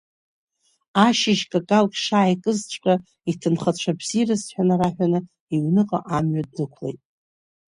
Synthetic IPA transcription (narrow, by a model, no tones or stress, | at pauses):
aʃɪʒkʼakʼalkʲʼʂaːjkʼɨzt͡ʃʷʼkʼa | itʰɨnχat͡ɕʷʰabz̥irɨsħʷᶣanɨraħʷᶣanɨ | iɥnɨqʼa̰ʔamɥad̚nɨkʷʰlḛjtʼ